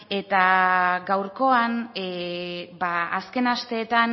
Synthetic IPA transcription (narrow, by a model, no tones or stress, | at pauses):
e̞t̪aɡawɾko̞an | baːske̞nast̪e̞ːt̪an